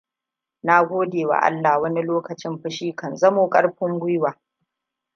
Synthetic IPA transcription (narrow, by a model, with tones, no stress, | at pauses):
na˦ɡʷoː˦deː˨wa̰˨ʔa̰˦lːa˨wɐ˦ni˦loː˦kɐ˨t͡ʃɪ˦mɸɪ˦ʃiː˦kɐ˨nzɐ˦moː˨kʼɐ˦ɽɸɪ˦ŋɡʷʊ˦jwaː˨